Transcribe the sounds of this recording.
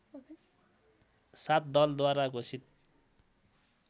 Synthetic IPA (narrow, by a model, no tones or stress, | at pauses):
sat̪̚d̪ʌld̪waɾakosʰit̪̚